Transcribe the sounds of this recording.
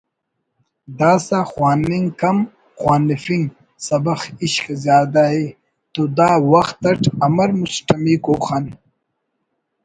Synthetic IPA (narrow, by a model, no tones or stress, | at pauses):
d̪aːsaxwaːniŋkɐm | xwaːnifiŋɡ | sɐbɐxiɕkzjaːd̪aɦe | t̪oːd̪aːwɐxt̪ɐʈʰɐmɐɾmusʈɐmikoːxan